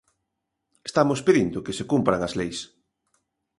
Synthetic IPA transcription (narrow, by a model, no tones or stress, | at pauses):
e̥st̪amospeðind̪ʊkesekumpɾaŋazlejs